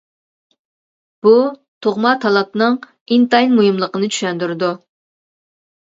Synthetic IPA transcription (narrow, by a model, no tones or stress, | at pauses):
b̥u | t̪ʰoʁmɑt̪ʰɑlˠɑp̚nɨŋ | int̪ɑjnmujumlˠəqənɨt͡ʃʰy̥ʃɛnd̪yɾɪd̪u